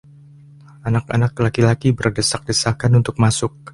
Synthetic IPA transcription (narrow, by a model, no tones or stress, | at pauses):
anaka̰naklakilakibərdəsak̚dəsahkanunt̪ʊk̚masʊk̚